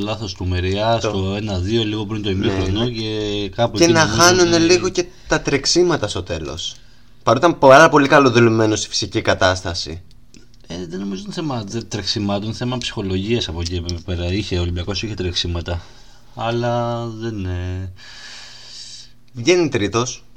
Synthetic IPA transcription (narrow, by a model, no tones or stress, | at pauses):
olɐθo̞st̪umeɾiɐst̪oe̞nɐðio̞liɣo̞pɾint̪oimifɾonoce̞kɐpuenɐxɐnunne̞liɣo̞ce | t̪ɐt̪ɾeksimɐt̪ɐst̪o̞t̪e̞lo̞̰s | pɐɾut̪ɐmpɐɾɐpo̞likɐlo̞ðuleme̞nost̪i̥fi̥sicikɐt̪ɐst̪ɐsḭ | eðeno̞mizoinθemɐðet̪ɾeksimɐt̪onθe̞mɐpsi̥xo̞lo̞ʝiɐsɐpociepepeɾɐiçe̞o̞limbiɐko̞siçet̪ɾeksimɐt̪ɐ | ɐlɐðe̞ne | vʝe̞nit̪ɾit̪o̞s